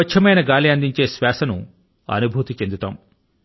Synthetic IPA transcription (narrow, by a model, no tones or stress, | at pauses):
ɐt͡ʃʰɐmɐjnɐɡaːliɐnd̪iɲt͡ʃe̞ːsʋaːsɐnṵ | ɐ̰nubʱuːt̪it͡ʃe̞nd̪ut̪a̰ːm